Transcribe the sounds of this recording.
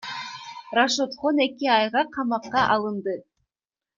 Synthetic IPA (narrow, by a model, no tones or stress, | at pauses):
raʃot̪χone̞kiɑjʁɑqʰɑmɑqːɑʔɑlˠɯnd̪ɯ